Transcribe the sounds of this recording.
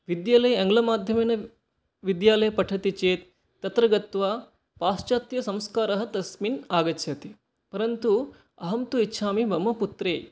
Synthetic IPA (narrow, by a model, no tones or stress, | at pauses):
ʋid̪jaːlɐjɐɐŋɡlɐmaːd̪ʱjɐmeːnɐ | ʋid̪jaːlɐjɐpɐʈʰɐt̪it͡ʃeːt̪ː | ɐt̪ɾɐɡɐt̪ʋaː | paːst͡ʃaːt̪jɐsɐmskaːɾɐɦɐt̪ɐsminaːɡɐt͡ʃʰjɐt̪i | pɐɾɐnt̪u | ɐɦɐmt̪uitːʃʰaːmibɐmːɐput̪ɾeː